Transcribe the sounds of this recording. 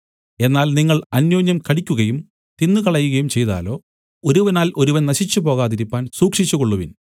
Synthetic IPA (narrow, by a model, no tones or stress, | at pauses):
e̞nːaːlniŋːɐɭɐnjoːɲjɐmkɐɽikʲːuɣɐjum | t̪inːukɐɭɐjːuɣɐjumt͡ɕe̞jt̪a̰ːlo̞ː | o̞ɾuʋɐnaːlʔo̞ɾuʋɐnnɐɕit͡ɕːupo̞ːɣaːðiɾipːaːnsuːkʂit͡ɕːuɣoɭːuʋin